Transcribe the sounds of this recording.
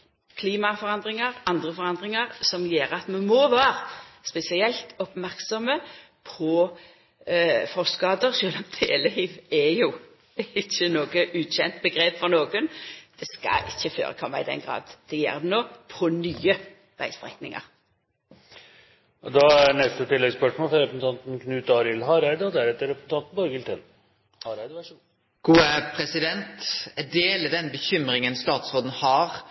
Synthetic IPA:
kʰliːmɑfɔʁɑnd̪ʁɪŋɑʁɑnd̪ʁəfɔʁɑnd̪ʁɪŋɑʁsɔmjeːʁəɑt̪mɑnmɔʋæːʁspɛsɪɛlt̪ɔpmæʁksɔmə | pʰɔ | fɔsɡɑːd̪əʁʃøːlɔmd̪ʰeləhiːʋɛjʊ | ɪçːənoːɡəʔʉːɕɛnt̪̚bəɡʁeːpfɔʁnoːɡənd̪̥ɛskɑ̰ɪçːəfø̰ːʁə̰kʰɔmːɑɪd̪ɛ̰nɡʁɑ̰ːd̪d̪̥ɛjɛ̰ːɾd̪ɛnoːpʰɔnyːə | ʋæ̰ɪst̪ʁɛk̪nɪŋɑ̰ɾ | ʔɔd̪ɑæɾnɛst̪ət̪ɪlːɛɡspœʂmoːlfɾɔɾɛpɾsn̩ɑnt̪n̩kʰnʉːt̪ɑɾɪlhɑɾæɪd̪əɔd̪æɾɛt̪ːəɾɛpsn̩t̪ʰɑnt̪̩bɔɾɡɪlt̪ɛn | hɑɾæɪd̪əʋæʂu | ɡ̥uːəpʰɾɛsɪd̪ɛnt̪ɛdeːlɪd̪ɛnbəçʏmɾɪŋənst̪ɑːt̪sʁoːd̪n̩hɑɾ

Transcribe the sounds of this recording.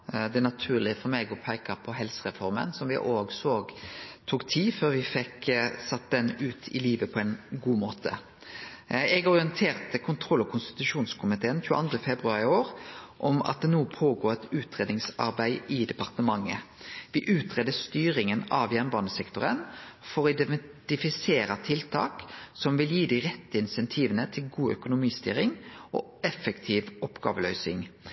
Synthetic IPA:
d̪ɛnɑt̪ʰʉːʁlɪfɔɾmeːɡɔpʰæɪkəpʰɔɦɛlsəʁɛfɔɾmə̰nsɔmʋɪʔoːɡsoːɡt̪ʰuːkt̪ʰiːføːɾʋɪfɛksɑt̪̚ːd̪ɛnʉːt̪ʰɪ̰liːʋəpʰɔɛnɡuːmoːt̪ʰə̰ | ɛɡɔʁɪənt̪ʰeːʁt̪əkʰʊnt̪ʰɾɔlːɔkʰʊnst̪ɪ̥t̪ʉʃuːnskʰʊmɪt̪ʰeːənçʉːəʔɑ̰nd̪ʁəfɛbɾʉɑʁɪoːɾʔɔmɑ̰t̪̚d̪ɛnuːpʰoːɡoːʁɛt̪ʉːt̪ɾeːd̪nɪŋsɑ̰ɾbæɪɪd̪ɛpɑʁt̪əmɑŋːə̰ʋɪʔʉːt̪ʁeːd̪əst̪yːɾɪŋənɑʋjɛnʋɑːnəsɛkt̪ʊɾənfɔɾʁɔɪd̪ɛt̪ɪfɪseːɾət̪ʰɪlt̪ʰɑ̰ːksɔmʋɪljiːd̪ɪʁɛt̪ːəɪnsɛnt̪ʰiːʋənət̪ʰɪlɡuːœ̰kʊnʊmiːst̪y̰ːɾɪŋɔ̰ | ɛfəkt̪ʰiːʋɔpɡ̥ɑ̰ːʋəlœʏsɪŋ

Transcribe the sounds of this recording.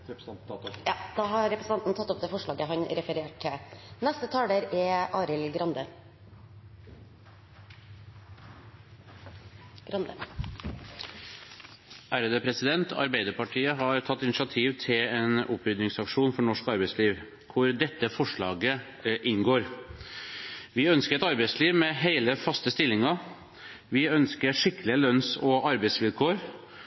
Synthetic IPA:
jɑːd̪̥ɑɦɑɾɾɛpɾəsn̩ɑnt̪n̩t̪ɑt̪ːɔpd̪eːfɔʂɭɑːɡəɦɑnɾɛfəɾeːʈʰɪnæst̪ət̪ʰɑːləɾɛʔɑːɾɪlɡɾɑnd̪ə | ɡ̥ɾɑnd̪ə | ʔæɾəd̪əpʰɾɛsɪd̪ɛnt̪ɑ̰ɾbæɪd̪əɾpɑʈʰiːəɦɑɾt̪ʰɑt̪ːɪnɪʂɑt̪ʰiːʋt̪ʰɪleːnʊpɾʏd̪nɪŋsɑkʂuːnfɔɳɔʂkɑɾbɛɪsliːʋ | kʰʊɾd̪ɛt̪ːəfɔʂɭɑ̰ːɡə | ʔɪŋɡoːɾ | ʋɪœnskəɾɛt̪ɑɾbɛɪsliːʋmɛɦeɪləfɑst̪əst̪ɪlːɪŋɑ | ʋɪœnskəʂɪkːəlɪəlœnsɔɑɾbæɪsʋɪlkʰoːɾ

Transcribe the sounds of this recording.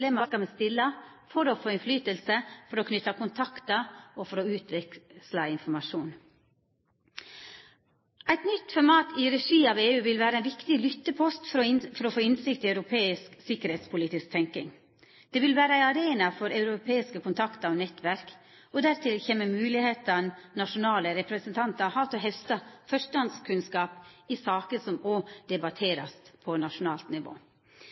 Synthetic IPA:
leːmɑskɑmɛst̪ɪlːɑ | fɔɾɔfoːɪnflyːt̪əlsəfɔɾɔkʰnʏt̪ːɑkʊnt̪ʰɑkt̪əɔfɔɾɔʉːt̪ʋɛslɑɪnfɔɾmɑʂuːn | æɪt̪nʏt̪ːfɔɾmɑːt̪ʰɪɾɛʂiːɑːʋeːʉːʋɪlʋæːɾəæɪnʋɪkt̪ɪlʏt̪ːəpʰɔst̪ffɔɾɔfoːɪnsɪkt̪ɪæʉɾʊpʰeːɪsksɪkəɾheːt̪spʰʊliːt̪ɪsk̚t̪ʰɛŋkɪŋ | d̪̥ɛʋɪlʋæːɾəæɪɑɾeːnɑfɔɾɑʉɾʊpʰeːɪskəkʰʊnt̪ʰɑkt̪əɾɔnɛt̪ʋæɾk | ɔd̪æɾt̪ʰɪlçeːməmʉːlɪheːt̪ɑnnɑʂʊnɑːləɾɛpɾɛsənt̪ʰɑnt̪ɑɾhɑːt̪ɔɦɛfst̪ɑfœʂʈɑnd̪skʰʉnskɑːpɪsɑːkəsɔmoːd̪̥ɛbɑt̪ʰeːɾɑst̪pʰɔnɑʂʊnɑːlt̪nɪʋo̰ː

